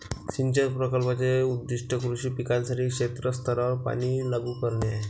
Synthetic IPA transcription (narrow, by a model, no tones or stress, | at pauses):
sint͡ɕəɾpɾəkəlpat͡seud̪ːiʂʈʰəkɾuɕiːpikalsaʈiːkʂet̪ɾəst̪ʰəɾəpa̰ɽ̃iːlaɡuːkəɾɳa